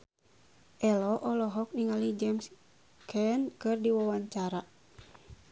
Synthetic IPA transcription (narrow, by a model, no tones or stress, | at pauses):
ʔɛlɔʔɔlɔɦɔk̚niŋalid͡ʒɛms | kʰɛnkɨrdiwawaɲt͡ʃaɾa